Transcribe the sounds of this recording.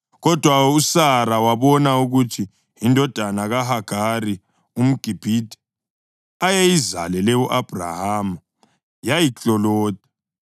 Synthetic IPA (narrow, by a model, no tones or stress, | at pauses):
ɣɔd̥ʱwausaɾawaβɔnauɣutʰi | ɦindʱɔd̥ʱanaɣaɦaɡ̥ʱaɾi | um̩ɡ̥ʱib̥ʱidʼʱɛ̥ | ajejiza̰lɛlɛuʔab̥ʱra̰haːmu | jajit͡ɬɔlɔːt̚ʰʼḁ